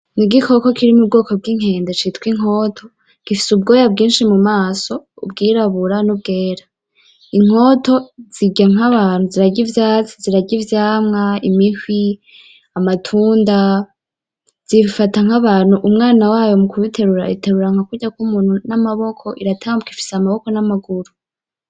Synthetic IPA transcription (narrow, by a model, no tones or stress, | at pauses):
niɡikʰo̞ko̞kʰiɾimub̚ɡo̞ːko̞b̚ɡiːŋ̥e̞ːndet͡ʃitwiŋ̥o̞ːtʰo̞ | ɡ̥ifi̥sub̚ɡo̞ːjabɡiːnʃimumaːso̞ubɡiːɾaβuɾanub̚ɡe̞ːɾa | iŋ̥o̞ːto̞z̥iɟaŋɦaβaːn̥uziɾaɟivjaːt͡si̥ziɾaɟivjaːmŋaimihwi | amatʰuːnda | z̥iβifataŋhaβaːn̥huʔumŋaːnawaːjo̞mukuβitʰe̞ɾuɾa̰iteɾuɾaŋ̥hakuɟakumuːn̥hunamaβo̞kʰo̞ʔiɾatʰaamukifi̥seamaβo̞ko̞namaɡuɾu